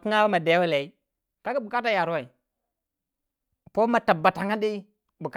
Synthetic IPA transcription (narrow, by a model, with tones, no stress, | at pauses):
ki˦ŋa˦wa˦ma˨de˨˦a˦la˨i˦ | ka˦ki˦bu˨ka˦t̬a˦ja˨ɾu˦wa˨i˨ | po˦ma˨ta˨bːa˨ta˨ŋa˦di˦ | bu˨k